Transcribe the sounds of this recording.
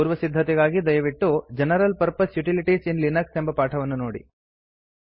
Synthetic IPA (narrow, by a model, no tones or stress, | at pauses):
uːɾʋɐsid̪ʱːɐt̪ɛɡaːɡid̪ɐjɐʋiʈːud͡ʒɛnɐɾɐlpɐɾpɐsjuʈiliʈisinlinɐksembɐpaːʈʰɐʋɐnːunoːɽḭ